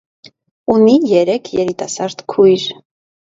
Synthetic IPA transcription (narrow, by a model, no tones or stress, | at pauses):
unijɛɾɛkʰjɛɾit̪ɑsɑɾt̪kʰujɾ